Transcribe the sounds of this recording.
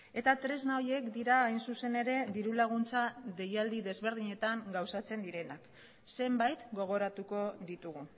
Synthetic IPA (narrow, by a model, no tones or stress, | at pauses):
e̞t̪at̪ɾe̞znaoje̞kd̪iɾaːjnsuse̞ne̞ɾe̞ðiɾulaɣ̞unt͡saðe̞jald̪iðe̞zβe̞ɾð̞iɲe̞t̪aŋɡawsat͡se̞nd̪iɾe̞nak | se̞mbajt̪ɡo̞ɣ̞o̞ɾat̪uko̞ðit̪uɣu